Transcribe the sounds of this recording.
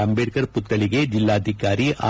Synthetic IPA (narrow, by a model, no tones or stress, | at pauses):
ɐmbeːʈkɐɾput̪ːɐɭiɡe̞d͡ʒilːaːd̪ʱikaːɾiʔa̰ː